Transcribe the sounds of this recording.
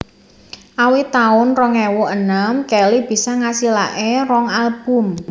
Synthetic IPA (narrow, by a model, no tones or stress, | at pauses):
ʔawit̪aʊnrɔŋɛwʊʔənəmkɛlib̥i̤sɔŋasila̰ʔerɔŋalb̥ʊ̤m